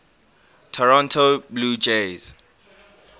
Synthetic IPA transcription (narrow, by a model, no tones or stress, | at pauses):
tʰɔɹɔ̃ntʰobluːd͡ʒez̥